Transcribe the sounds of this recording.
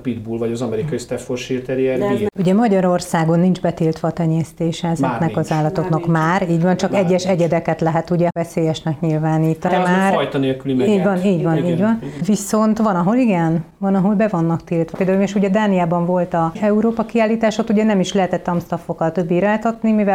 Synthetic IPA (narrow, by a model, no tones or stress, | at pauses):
pid̪bulvɒɟɒzɒmɛɾikɒjist̪ɛfforʃirt̪ɛɾiɛɾuɟɛmɒɟɒɾo̞rsaːɡo̞nːind͡ʒbɛt̪ilt̪ʋɒːt̪ɛɲɛst̪eːʃɛɛzɛknɛkɒzaːlːɒt̪o̞knɒkmaːriːɟvɒnt͡ʃɒkɛɟːɛʃɛɟɛd̪ɛkɛt̪lɛɦɛt̪uɟɛɛseːjɛʃnɛkɲilvaːniːt̪ɒɾɛmaːrjt̪ɒneːlkylimiːɟvɒniːɟvɒniːɟvɒnviso̞nt̪ʋɒnɒɦo̞liɡɛn | vɒnɒɦo̞lbɛvonːɒkt̪iːlt̪ʋɒpeld̪auleʃuɟɛd̪aːnijaːbɒɱvo̞lt̪ɒɛuɾoːpɒkiaːlːiːt̪aːʃot̪uɟɛnɛmiʃlɛɦɛt̪ɛt̪ːɒmst̪ɒfokːɒlt̪ø̞bːiɾaːjt̪ɒt̪nimivɛ